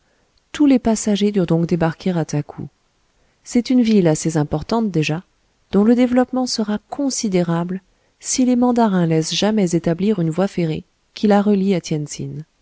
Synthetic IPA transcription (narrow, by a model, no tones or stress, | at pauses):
t̪ulepasaʒed̪yʁd̪ɔ̃kd̪ebaʁkʰʲeʁat̪ʰakʰṵ | sɛt̪ynvilasezɛ̃pɔʁt̪ɑ̃t̪̚d̪eʒa | d̪̥ɔ̃ləd̪evlɔpmɑ̃səʁakʰɔ̃sid̪eʁabl | silemɑ̃d̪aʁɛ̃lɛsʒ̥amɛzet̪abliʁynvwafeʁe | kʲʰilaʁəliat̪ʰjɛnsḭn